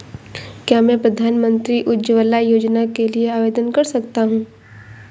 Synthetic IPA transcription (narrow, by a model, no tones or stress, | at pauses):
kjaːmɛ̃ːpɾɐd̪ʱaːnmə̃nt̪ɾiʔʊdd͡ʒəʋəlːajoːd͡ʒnakelieaːʋeːd̪ənkɐɾsɐk̚t̪aɦũː